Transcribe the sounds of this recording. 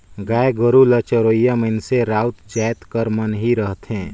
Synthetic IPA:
ɡaːeɡəɾulət͡ʃəɾoːjaməɪnseɾaːut̪d͡ʒaːjt̪kəɾmənɦiɾəɦt̪ɦẽː

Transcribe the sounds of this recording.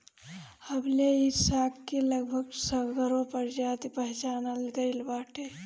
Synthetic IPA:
həbleisakːeləɡbʱəɡsəɡɾõpəɾd͡ʒad̪pəɦt͡ʃaːnəlɡəɪlbaːʈʰe

